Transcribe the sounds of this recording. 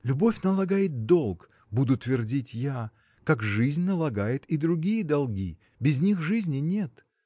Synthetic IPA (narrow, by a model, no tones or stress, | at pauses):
lʲʊbo̞fʲnəlˠɐɡajɪt̪̚d̪o̞lˠk | bud̪ʊt̪vʲɪrdʲitʲja | kakʐɨzʲnʲnəlˠɐɡajɪt̪id̪ɾʊɡʲijəd̪ɐlˠɡʲḭ | bʲɪzʲnʲixʐɨzʲnʲɪnʲet̪